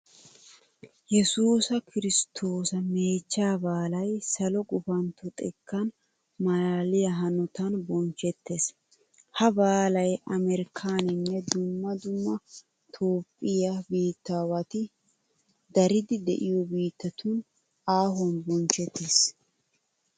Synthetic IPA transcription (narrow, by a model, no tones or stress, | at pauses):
jɛsuːsɐkʰɪɾɪst̪ʰo̞ːsɐme̞ːt͡ʃːaːbaːlɐjsɐlɔɡʼʊfɐnt̪ɔt̪ʼɛkːɐn | mɐlaːlɪjɐɦɐnɔt̪ɐnbɔnt͡ʃɛt̪ːeːs | hɐbaːlɐjʔɐmɛɾɪkʰaːnɪnːɛd̪ʊmːɐd̪ʊmːɐ | t̪ʰo̞ːpʼːɪjabiːt̪ːaːwɐt̪ɪ | d̪ɐɾɪd̪ɪd̪ɛ̰ʔɪjɔbiːt̪ːɐt̪ʊn | aːɦɔnbɔnt͡ʃɛt̪ːeːs